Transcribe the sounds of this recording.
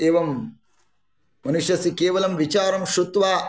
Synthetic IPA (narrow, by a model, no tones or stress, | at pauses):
eːʋɐm | mɐnuʂjɐsikeːʋɐlɐmʋit͡ʃaːɾɐmʃɾut̪ʋaː